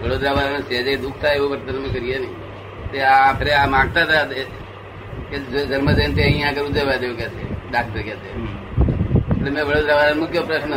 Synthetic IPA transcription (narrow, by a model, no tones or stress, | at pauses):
ʋəɽod̪ɾaʋalansed͡ʒed̪uk̚ʰt̪ʰaeʋũʋəɾt̪ənəmkəɾijenəĩ | t̪eapʰeɾeamãɡ̚t̪at̪ʰat̪e | ked͡ʒəɾməd̪ent̪eəɦĩjãkəɾũd͡ʒeʋad̪eʋũkɛt͡ʃʰeɖak̚ʈəɾkɛt͡ʃʰe | eʈlemɛ̃ʋəɽod̪ɾaʋalamʊkʰjopɾəʃn